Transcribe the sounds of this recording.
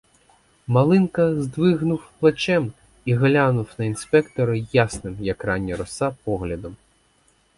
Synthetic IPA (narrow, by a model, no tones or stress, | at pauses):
mɐlˠɪnkɐzd̪ʋɪɦnʊwplˠɐt͡ʃɛm | iɦlʲanʊwnɐinspɛkt̪ɔɾɐjasnɪmjɐkrɑnʲːiɾɔsɑpɔɦlʲɐd̪ɔm